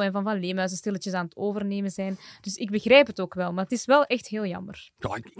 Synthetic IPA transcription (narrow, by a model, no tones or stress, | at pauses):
ɛnvɑnvɑnleːmɦœzəstɪlətjəsaːnətoːvərneːmənzɛjnd̥ɵsɪɡ̚bəɣrɛjpɦətoːkʋɛlˠmaːrətɪsʋɛlˠʔɛxtɦeːlˠjɑ̰mərjɑ